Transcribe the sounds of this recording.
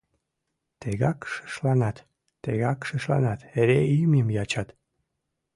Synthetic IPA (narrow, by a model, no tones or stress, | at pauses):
t̪eɣɑkʃə̥ʃlɑnɑt̪ː | eɣɑkʃəʃlɑ̰nɑt̪eɾeimimjɑt͡ɕɑt̪